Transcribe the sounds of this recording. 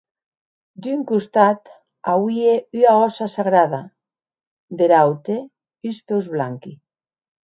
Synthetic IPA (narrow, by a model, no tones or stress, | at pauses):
d̪yŋkust̪at̪ | awieyaɔsasaɣɾaða | d̪eɾawt̪e | yspewzβlaŋki